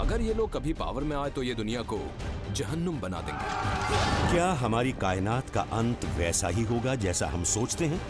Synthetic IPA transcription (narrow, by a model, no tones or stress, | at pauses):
ɐ̰ɡəɾjeloːɡ̚kɐbʱipa̰ːʋəɾmẽaːet̪ojed̪ʊnijako | d͡ʒɐɦənːəmbɐna̰ːt̪ḛ̃ːɡḛːkjaːɦɐmaːɾikaːɪnaːt̪ka̰ʔɐ̃nt̪ʋɛːsa̰ɦiɦoːɡad͡ʒɛːsa̰ɦɐmsoːt͡ʃt̪eɦɛ̃ː